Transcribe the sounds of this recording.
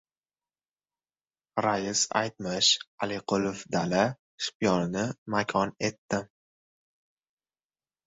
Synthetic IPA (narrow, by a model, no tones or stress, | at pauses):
ɾajɪsa̰jt̪̚mɪʃalɪqʊlofd̪ala | ʃpjɒnɪnɪmakʲʰɒne̞t̪ːɪ